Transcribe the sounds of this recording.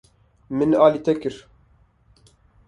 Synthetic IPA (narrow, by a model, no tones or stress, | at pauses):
mɨnɑːlit̪ɛkɨɾ